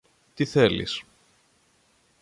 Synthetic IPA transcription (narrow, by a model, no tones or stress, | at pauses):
t̪iθelḭs